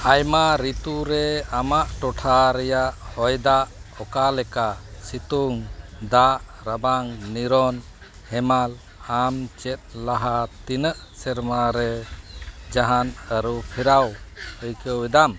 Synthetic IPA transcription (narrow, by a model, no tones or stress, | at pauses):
ajmaɾit̪uɾɛamaʔʈɔʈʰaɾɛjaʔhɔjd̪aʔɔkalɛkasit̪uŋd̪aʔ | ɾəbaŋniɾɔn | hɛmal | amt͡ʃɛt̪̚ˀlaɦat̪inəʔsɛɾmaɾɛ | d͡ʒaɦanəɾupʰiɾawhəjkəwwid̪am